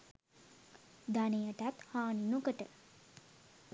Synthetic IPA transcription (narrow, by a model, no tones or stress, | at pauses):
d̪anejəʈat̪haːninokəʈə